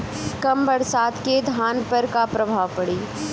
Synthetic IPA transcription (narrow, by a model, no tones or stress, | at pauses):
kɐmbɐɾsaːd̪ked̪ʱaːnpɐɾkapɾɐbʱaːʋpɐɽiː